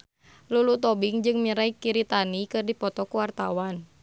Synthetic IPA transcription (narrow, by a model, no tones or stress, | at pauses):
lulut̪ɔbiŋd͡ʒɨŋmiɾaikiɾit̪anikɨrdipɔt̪ɔkuwart̪awan